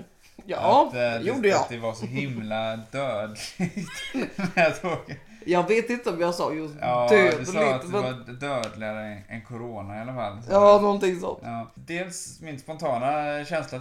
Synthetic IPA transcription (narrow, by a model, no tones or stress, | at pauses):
jɑːjuːɖəjɑat̪d̪ɛvaɾʂɔɦɪmlad̪øːd̪lɪɡt̪mɛt̪ʰɑːɡənjɑːɡveːt̪ɪnt̪əɔmjɑsɑ̰ːjuɑʉd̪ɛsːat̪d̪vad̪øːd̪lɪɡaɾəɛnkʰʊɾoːnaɪalafa̰lːjɑːnɔnt̪ɪŋsɔ̰nt̪ɑː | d̪eːlsmɪnspɔnt̪ʰɑːnaɕɛnsla